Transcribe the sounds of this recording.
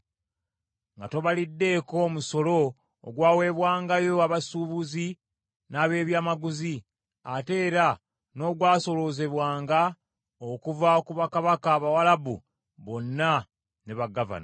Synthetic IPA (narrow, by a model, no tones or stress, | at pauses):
ŋɡato̞βalidːe̞ko̞muso̞lo̞ː | ɡwaːwe̞ːβwaːŋɡajo̞aβasuːβuzi | naːβe̞ːβjaːmaɡuzi | ate̞ːɾa | no̞ːɡwaːso̞lo̞ze̞βwaːŋɡa | okuvakuβakaβakaːβawalaβṵ | βonːa | neβaɡava̰n